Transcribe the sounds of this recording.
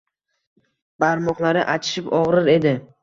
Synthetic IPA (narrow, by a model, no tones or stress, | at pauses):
b̥aɾmɒqlˠaɾɪʔat͡ʃ̪ʰɪ̥ʃɪpɒʁɾɪɾe̞d̪ɪ